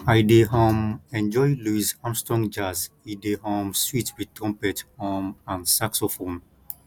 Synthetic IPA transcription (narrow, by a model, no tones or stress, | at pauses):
ajdeɦɔ̃mɛ̃nd͡ʒɔjluisãmstɔ̃ŋd͡ʒas | idehɔ̃mswitwid̚tɹɔ̃mpɛthɔmãnsaksɔfõn